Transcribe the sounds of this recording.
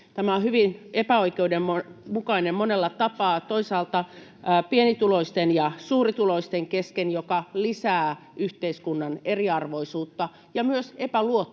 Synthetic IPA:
t̪æmæohyʋinepæoikeudemmomukɑinemmonelːɑt̪ɑpɑːt̪oisɑːlt̪ɑpienit̪uloist̪enjɑsuːrit̪uloist̪eŋkeskenjokɑlisæːyht̪eiskunːɑneriɑrʋoisuːt̪ːɑ | jɑmyøsepæluot̪ː

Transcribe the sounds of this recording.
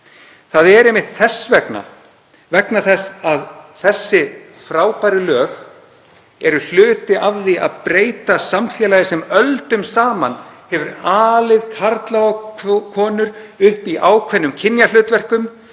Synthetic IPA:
θaðɛɾejmɪht̪θɛsvɛkna̰ | vɛknaθɛsaðθɛsːɪ | fɾaːwpajɾɪlœːx | ɛɾʏl̥ʏːt̪ɪʔavðia̰ðpɾeːjt̪asamfjɛːlajɪsɛmœlt̪ʏmsaːmanhɛvʏɾaːlɪðkʰaɾt̪lawɣakʰɔːnʏɾʏhpiʔaːwkʰvɛnːʏmcʰɪnjalʏːt̪vɛr̥kʏm

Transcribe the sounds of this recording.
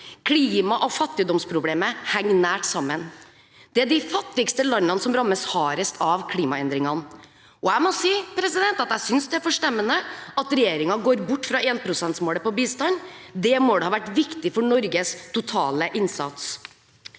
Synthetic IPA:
kʰliːmɑʔɔfɑt̪ːɪd̪ɔmspʰɾʊbleːməhæŋːnæːʈsɑmːən | d̪̥ɛæɖɪfɑt̪ːɪkst̪əlɑnːɑnəsɔmɾɑmːəshɑːɾəst̪ʰɑʋkʰliːmɑɛnd̪ɾɪŋɑn | ɔæɪmɔsiːpʰɾɛsɪd̪ɛnt̪ɑt̪æɪsʏnsd̪ɛæɾfɔʂʈɛmːənəɑt̪ɾɛjeːɾɪŋɑɡoːɾbʊʈːfɾɑeːnpʰɾʊsɛnt̪smoːləpɔbiːst̪ɑnd̪ɛmod̪ɛhɑːʋæʈːʋɪkt̪ɪfɔɳɔɾɡəst̪ʊt̪ʰɑːləʔɪnsɑt̪s

